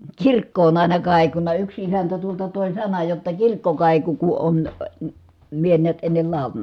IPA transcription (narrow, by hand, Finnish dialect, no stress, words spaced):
tsirkːo on ɑˑi̯nɑ kɑˑi̯kunɑ yks isæntæ tuoltɑ toˑi̯ sɑnɑj jotːɑ kirkːo kɑˑiku ku on mie niæt enːel lɑˑu̞lɑnɑ